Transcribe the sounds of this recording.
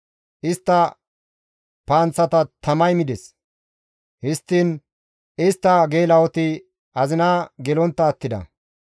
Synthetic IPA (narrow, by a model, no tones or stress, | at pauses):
ʔɪst̪ːɐ | paːnt͡sːɐt̪ɐt̪ʰɐmɐjmɪd̪ɛs | hɪst̪ːiːn | ɪst̪ːɐɡe̞ːlɐwɔt̪ɪ | ɐzɪnaːɡɛlɔnt̪ːɐːt̪ːɪd̪ɐ̰